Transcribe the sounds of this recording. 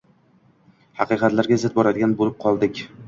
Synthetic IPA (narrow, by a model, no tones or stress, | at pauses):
hɑqɨjqɑt̪laɾɡʲazɪt̪̚bɒɾad̪ɪɡʲanbolɪp̚qʰɒlˠd̪ɪkʲ